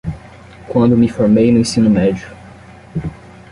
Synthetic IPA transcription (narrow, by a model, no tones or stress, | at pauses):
kwɐ̃nd̪ʊmɪfoɾmejnʊẽsĩnʊmɛd͡ʒʊ